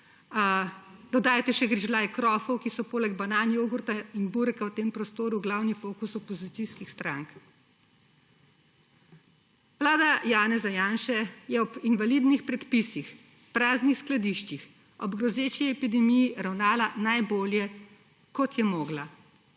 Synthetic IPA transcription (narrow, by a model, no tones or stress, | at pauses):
d̪ɔd̪aːjt̪ɛʃɛɡɾiʒlaːjkɾɔːfɔwkisɔpoːlɛɡbanaːnjoːɡuɾt̪ainbuɾkawt̪eːmpɾɔst̪oːɾuɡlawnifoːkusɔpɔzit̪siskixst̪ɾaŋk | ʋlaːd̪ajaːnɛzajaːnʃɛjɛɔpinvalid̪nixpɾɛt̪pisix | pɾaːznixsklad̪iʃt͡ʃix | ɔbɡɾɔzet͡ʃiɛpid̪ɛmijiɾawnaːlanajboːljɛ | kɔt̪jɛmɔːɡla